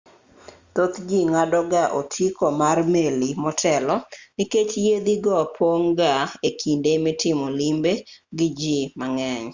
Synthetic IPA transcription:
t̪ot̪d͡ʒiŋadɔɡaʔotʰjikomarmelimɔtʰɛlɔniket͡ʃjed̪iɡɔpʰoŋɡaekʰindemɪtɪmɔlimbeɡɪd͡ʒimaŋɛɲ

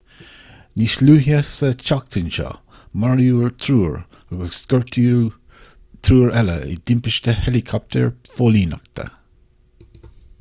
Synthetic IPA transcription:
nisluːɦiasət͡ʃakt̪ʰənʃɑ̰ | maɹjuːɹt̪ʰɾuːɹ | əɡəskɔɹtʰu | t̪ʰɾuːɹɛlə̰ɪ̰d̪ɪmpɪʃt̪əhɛlikʰɔp̚t̪ʰə̰ɹfoːliːna̰kt̪ʰə̰

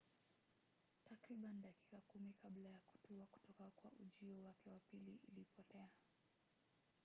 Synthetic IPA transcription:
takɾiɓanɗaki̥kakumikaɓlajaku̥tuaku̥tɔkakwa̰ʔuʄiɔwakɛwapiliʔḭlipɔtɛa

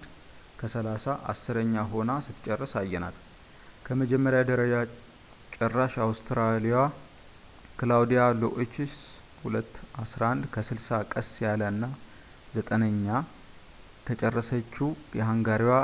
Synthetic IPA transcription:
d̪ | kʰəsəlasaʔa̰sːɨɾəɲːaɦo̞nasɨt̪ʰːt͡ʃʼɛrːəsajːɛna̰l | kʰəməd͡ʒɛmːəɾjad̪əɾəd͡ʒa | t͡ʃʼərːaʃawst̪ʰɾalija | kʰɨlawd̪ijaloʔet͡ʃis | hulət̪ːʔasɾaʔand̪kʰəsɨlsakʼəsjaləɨnːa | zət̪ʼənəɲːa | t̪ʰət͡ʃʼərːəsət͡ʃːujɛɦaŋɡaɾiwa

